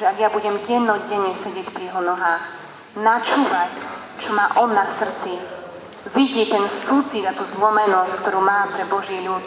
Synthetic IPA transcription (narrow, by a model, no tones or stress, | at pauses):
ɛaɡjabuɟɛmɟɛd̪nɔɟɛɲɛsɛɟɪɛcpɾijɛɦɔnɔɦaːx | nat͡ʃuːʋac | t͡ʃɔmaːʔɔd̪nasr̩t͡si | ʋiɟit̪ɛnsuːt͡sid̪at̪uːzlɔmɛnɔsckt̪ɔɾuːmaːpɾɛbɔʒɪɛʎuːt̪